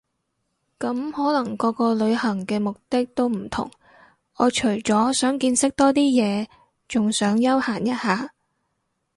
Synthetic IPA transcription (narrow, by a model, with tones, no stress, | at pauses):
kɐ˨˥mhɔː˨˥lɐ˨˩ŋkɔː˧kɔː˧lɵ˨˧ɥhɐ˨˩ŋkɛː˧mʊ˨k̚t̪ɪ˥k̚t̪o˥wm̩˨˩t̪ʰʊ̰˨˩ŋ | ɔː˨˧t͡ʃʰɵ˨˩ɥt͡sɔː˨˥sœː˨˥ŋkiː˧nsɪ˥k̚t̪ɔː˥t̪iː˥jɛː˨˧ | t͡sʊ˨ŋsœː˨˥ŋjɐ˥whaː˨˩njɐ˥t̚haː˨˧